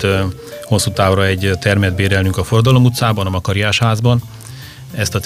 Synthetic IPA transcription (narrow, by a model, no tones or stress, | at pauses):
ho̞sːuːt̪aːvrɒɛɟt̪ɛrmɛd̪̚beːɾɛlnyŋkɒforɒd̪ɒlo̞mut̪saːbɒnɒmɒkɒɾijaːʃhaːzbɒn | ɛst̪ɒ